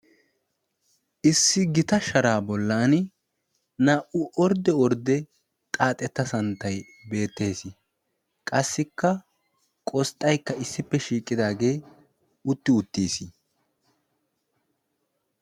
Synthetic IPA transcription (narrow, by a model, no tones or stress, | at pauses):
ʔɪsːɪɡɪt̪ɐʃɐɾaːbɔlːaːn | naːʔʊʔɔɾd̪ɛɔɾd̪ɛ | t̪ʼaːt̪ʼɛt̪ːɐsɐnt̪ːɐj | be̞ːt̪ːe̞ːsɪ | kʼɐsːɪkːɐ | kʼɔst̪ʼːɐjkːɐɪsːɪpːɛʃiːkʼːɪd̪aːɡe̞ː | ʊt̪ːɪʊt̪ːiːsi